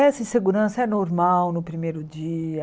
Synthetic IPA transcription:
ɛsɪ̃seɡuɾɐ̃sɐɛnoɾmawnʊpɾimejɾʊd͡ʒiɐ

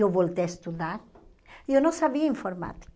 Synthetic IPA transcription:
oβolt̪eest̪uðaɾ | jonõsaβiĩɱfoɾma̰t̪

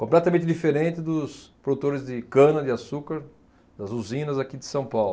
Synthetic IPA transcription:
kõplɛt̪ɐmẽnt̪ɪd̪ifeɾẽnt̪ɪd̪ʊspɾod̪ut̪oɾɪzd̪ɪkɐ̃nɐd̪ɪasukɐɾ | d̪ɐzuzĩnɐzakid̪ɪsɐ̃w̃pawl

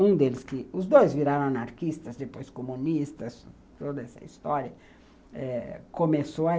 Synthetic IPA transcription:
ũd̪elɪskɪʊzd̪ojzviɾaɾɐ̃anaɾkist̪ɐzd̪epojskomũnist̪ɐs | t̪od̪ɐɛsɐ̰ist̪ɔɾiɐ | ɛkomesoɐ

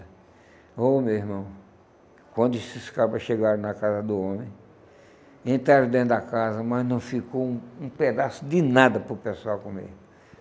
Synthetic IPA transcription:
omewiɾmɐ̃w̃ | kwɐ̃nd̪ʊsɪskapɐʃeɡaɾɐ̃nɐkazɐd̪ʊõmẽj̃ | ẽnt̪ɾaɾɐ̃d̪ẽt̪dɐkazɐmɐznɐ̃w̃fikowũũped̪asʊd̪ɪnad̪ɐpɾʊpesuawkõmḛʊ

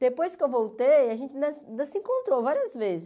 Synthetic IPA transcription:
d̪̥epojskɪewvowt̪ejɐʒẽnt͡ʃɪnɐ̃snɐ̃sĩkõnt̪ɾovaɾiɐzvezɪ

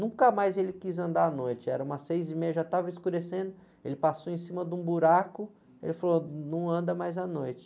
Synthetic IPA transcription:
nũkɐmajzelɪkizɐ̃nd̪aanojt͡ʃɪɛɾɐũmɐsejzimejɐʒat̪avɐɪskuɾesẽnd̪ʊ | elɪpasowẽsĩmɐd̪ũbuɾakʊ | ḛlɪfalonɐ̃w̃ɐ̃nd̪ɐmajzanojt͡ʃɪ̥

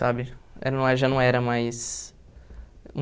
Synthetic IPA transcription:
abɪɛ̰ɾɐnɐ̃w̃ɛɾʒanɐ̃w̃ɛɾɐmajs | ũ

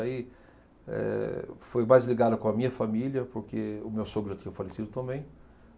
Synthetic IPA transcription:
ai | ɛ̰fojmajzliɡad̪ɐkõɐmĩɲɐfamiljɐpoɾkeʊmewsoɡʊʒat̪ĩɲɐ̃falesid̪ʊt̪ɐ̃mbẽj̃

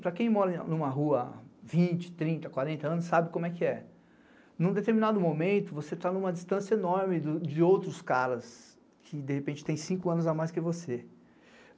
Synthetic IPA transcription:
pɾɐkẽj̃mɔɾɐnũmɐɦuɐvĩt͡ʃɪ̥t̪ɾĩnt̪ɐkwaɾẽnt̪ɐɐ̃nʊsːabɪkõmʊɛkɪɛ | nũd̪et̪eɾminad̪ʊmõmẽnt̪ʊvoset̪anũmɐd͡ʒɪst̪ɐ̃sjɐenɔɾmɪd̪ʊd͡ʒɪowt̪ɾʊskaɾɐs | kʰɪd̪ehepẽnt͡ʃɪ̥t̪ẽj̃sĩkʊɐ̃nʊzamajskɪvose

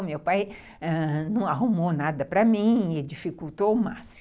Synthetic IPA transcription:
mewpaj | ɛnɐ̃w̃aɦumownad̪ɐpɾɐmĩɪd͡ʒifikuwt̪oʊmasi̥

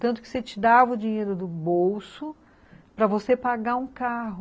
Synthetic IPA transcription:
t̪ɐ̃nt̪ʊ̥kɪ̥set͡ʃɪd̪avɐʊd͡ʒĩɲejɾʊd̪ʊbowsʊ | pɾɐvosepaɡaũkaɦʊ

